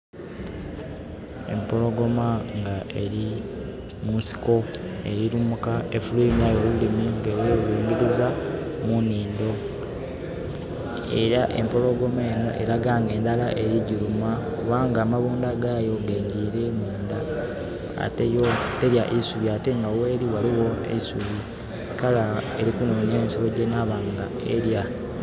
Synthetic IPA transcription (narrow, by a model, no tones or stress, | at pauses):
e̞̰mpo̞loɡo̞maŋɡaʔe̞ɾi | musi̥ko̞ | e̞ɾiɾumukaefuleinajolulimiŋɡejewiːŋɡiɾizamuniːnd̪o̞ | ḛɾaʔe̞̰mpo̞lo̞ɡo̞meːno̞̰ʔe̞ɾaɡaːŋɡe̞ːndalaʔejiɟilumakuβaːŋɡaːmaβuːndaɡaːjo̞ɡeːɲɡiɾemuːnda̰ː | tejote̞ɾjaʔisuβiate̞ŋɡawe̞ːɾiwaliwo̞ḛisuβi | kalaeɾikunuːnaːnsolo̞ɟenaːβaːŋɡa | eɾja